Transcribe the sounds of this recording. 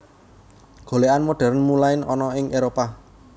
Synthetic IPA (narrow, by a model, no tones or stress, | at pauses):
ɡ̥o̤leanmoɖ̥ɛ̤ɾnmulaɪnɔ̰nɔɪŋʔeɾopa